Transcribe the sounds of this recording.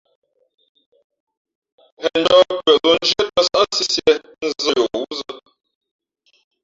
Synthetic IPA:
hɛ˨n˦dɔ˦˨kwɛ˨lo˨n˦d͡ʒə˦ə˦˨sa˦si˦sje˨ | n̩˨zə˦˨jo˨u˦zə˦

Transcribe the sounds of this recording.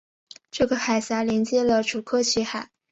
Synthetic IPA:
ʈ͡ʂɤ˥˩ɡə˩xa˨˩ɪsa˧˥ljɛ˧˥nt͡ɕjɛ˥lə˨ʈ͡ʂʰu˨˩kʰɤ˥˧t͡ɕʰi˧˥xa˨˩˦

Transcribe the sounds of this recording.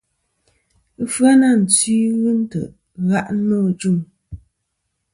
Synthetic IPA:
ə˦fɰa˦na˦˨n̩˨t͡siː˦ɣɨ˦n̩˦tə̰˨ʔ | ɣa˦ʔ̩˦nɔ˦˨d͡ʒu˦˨m

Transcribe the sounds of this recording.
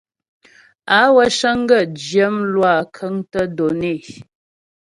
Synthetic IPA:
a˨˦wə˦ʃə˦ŋ˦ɡə˦˨d͡ʒjə˦mlwa˦˨kʰə˨˦ŋtə˦do˨ne˦˨

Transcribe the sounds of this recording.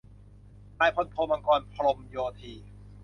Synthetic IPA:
aː˧˩jpʰo˧˥˩t̪̚pʰo˧mʔa˧kɔː˧npʰa˧ɾo˧mjoː˧t̪ʰiː˧

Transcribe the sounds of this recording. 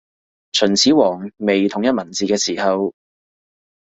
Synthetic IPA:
t͡sʰɵ˨˩nt͡sʰiː˨˥wɔː˨˩ŋme˨jt̪ʰʊ˨˩ŋjɐ˥t̚mɐ˨˩nt͡siː˨kɛː˧siː˨˩hɐ˨˧w

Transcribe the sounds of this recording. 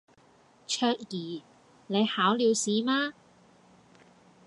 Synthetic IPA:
t͡ʃʰœː˧k̚jiː˨˩ | ne˨˧jhaː˨˥wliː˨˧wsiː˨˥maː˥

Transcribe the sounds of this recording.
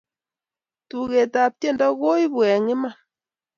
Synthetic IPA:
tu˨ɣe˨ta˨p̚tje˦˨nda˦ɣo˦i˦βwɛ˨ŋɪ˦ma˦˨

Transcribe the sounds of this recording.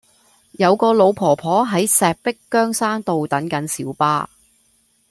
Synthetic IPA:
jɐ˨˧wkɔː˧lo˨˧wpʰɔː˨˩pʰɔː˨˥ɦɐ˨˥jsɛː˨k̚pɪ˥kːœː˥ŋsaː˥ŋt̪o˨wt̪ɐ˨˥nkɐ˨˥nsiː˨˥wpaː˥

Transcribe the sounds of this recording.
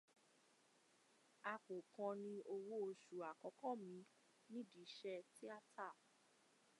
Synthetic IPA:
a˧k͡po˨kã˧nĩ˧ʔo˧wo˦o˧ʃu˨a˨kɔ˨˦kɔ˦˨mĩ˧˦ | nĩ˦di˨˦ʃɛ˧ti˦a˦˨ta˦˨

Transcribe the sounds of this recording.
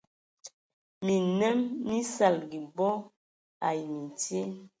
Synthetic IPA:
mi˨nɛ˦mni˦sa˦˨lɡi˨bɔ˦ | a̰˨jmi˨tje˦

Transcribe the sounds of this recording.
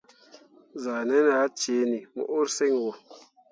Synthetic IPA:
za˨ne˦n˦a˨˦t͡ʃe˨˦ni˨mṵ˨ʔu˦ɾse˦ŋwɔ˨

